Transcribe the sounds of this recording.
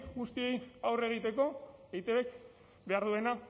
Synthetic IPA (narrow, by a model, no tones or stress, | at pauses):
ɡust̪ie̞jawre̞ɣ̞it̪e̞ko̞ejt̪eβek | be̞aɾðue̞na